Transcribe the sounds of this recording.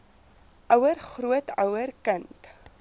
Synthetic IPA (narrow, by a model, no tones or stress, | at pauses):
ʔœwərχruətœwərkənt